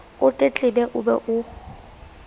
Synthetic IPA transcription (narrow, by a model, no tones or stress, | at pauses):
ʊtʼet͡ɬʼɪbɛʔʊbɛ̰ʔʊ